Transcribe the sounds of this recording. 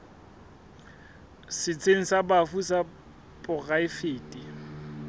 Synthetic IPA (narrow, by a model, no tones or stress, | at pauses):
sɪt͡sʰeŋ̩sabafusa | pʼʊɣaɪfeːtʼi